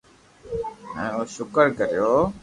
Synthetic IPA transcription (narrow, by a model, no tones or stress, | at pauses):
ɦɛ̰̃ːoːʃʊkəɾkəɾɪjoː